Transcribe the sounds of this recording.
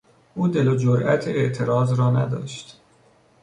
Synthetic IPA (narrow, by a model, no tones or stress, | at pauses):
ʔuːd̪e̞lod͡ʒoɾʔæ̰t̪ʰeeʔt̪ʰe̞ɾɒːzɾɒːnæ̰d̪ɒ̰ːʃt̪